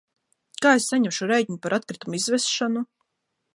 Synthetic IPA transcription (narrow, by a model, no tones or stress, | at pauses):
kaːesːaɲɛmʃuɾɛjt̚ɲupaɾʔat̪̚kɾit̪umizvɛsʃanu